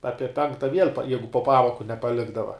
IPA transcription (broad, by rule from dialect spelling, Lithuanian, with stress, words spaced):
ˈɑːpʲiɛ ˈpʲɛŋktɐ ʋʲiɛlʲ pɐ ˈjɛɪɡʊ poː ˈpɑːmoːkʊ nʲɛpɐˈlʲɪɡdɐʋɐ